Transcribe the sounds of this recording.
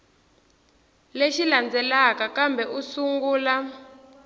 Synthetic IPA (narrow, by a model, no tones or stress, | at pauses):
leʃiland͡zɛlakakambɛʔusuŋɡuːla